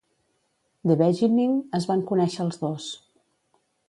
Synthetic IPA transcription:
d̪əβɛʒimiŋəzβaŋkunɛʃəːlˠzðos

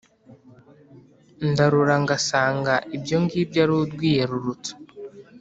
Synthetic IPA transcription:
ndaɾuɾaŋɡasaːŋɡaʔibjo̞ŋɡiːbjaɾudɡwiːje̞ɾuɾutu̥

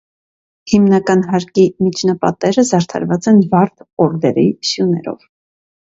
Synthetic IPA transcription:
himnɑkɑnɦɑɾkimit͡ʃʰnɑpɑ̰t̪ɛɾəzɑɾt̪ʰɑ̰ɾvɑt͡sɛnvɑɾt̪ʰɔɾd̪ɛɾisjunɛɾɔ̰v

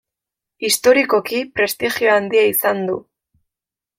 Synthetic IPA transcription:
ist̪o̞ɾiko̞kipɾe̞st̪ixio̞and̪iaisand̪ṵ

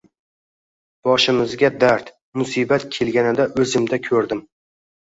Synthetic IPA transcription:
b̥ɒʃɪmɪzɡʲad̪aɾt̪ | mʊsibat̪̚kʲʰe̞lɡʲanɪd̪aʔɵzɪmd̪akʲʰɵɾd̪ɪm

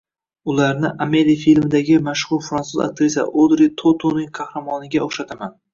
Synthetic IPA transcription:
ʊlaɾnɪʔame̞ɾijfilmɪd̪aɡʲɪmaʃχʊɾfɾansuza̰k̚t̪ɾesa̰ʔod̪ɾit̪ʰot̪ʰonɪŋqʰɑhɾamɒnɪɡʲaoχʃat̪ʰaman

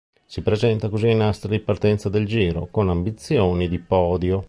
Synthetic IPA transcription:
sipɾezɛnt̪akoziinast̪ɾad̪ipart̪ɛnt̪sad̪eld͡ʒiːɾokonambit̪sːjoːnid̪ipɔːd̪jo

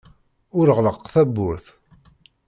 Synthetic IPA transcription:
ʊɾəʁləqːθæbːʊɾθ

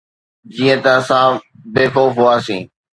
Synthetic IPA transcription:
d͡ʒiːə̃t̪əəsãː | beːfoːfɦʊaːsĩː

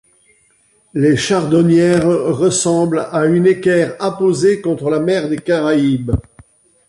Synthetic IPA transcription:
leʃaʁd̪ɔnjɛʁʁəsɑ̃blaynekʲɛʁapozekɔ̃t̪χəlamɛʁd̪ekaʁaib

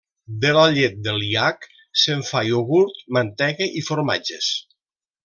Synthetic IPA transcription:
d̪elaʎet̪̚d̪elˠiak | seɱfajoɣuɾt̪̚mant̪ɛɣeʔifoɾma̰d͡ʒes

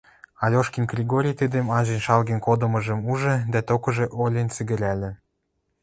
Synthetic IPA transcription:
ɑlʲoʃkinɡrʲiɡoɾʲijt̪əd̪ĕmɑʑĕnʃɑlɣĕnkod̪ɤ̆mɤ̆ʒə̆muʒɤ̆d̪æt̪okɤ̆ʒĕʔolʲent͡sɘɡɘ̆ɾʲælʲĕ

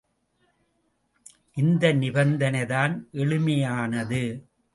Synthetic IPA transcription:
ʔɪnd̪ɐnɪbɐnd̪ɐnɐɪðaːnʔɛɭɯmɐjaːnɐðɯ

